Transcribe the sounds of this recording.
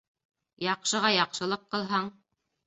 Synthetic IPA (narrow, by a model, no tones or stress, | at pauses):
jɑqʃɤ̆ʁɑjɑqʃɤ̆lˠɤqːɤ̆lˠɦɑɴ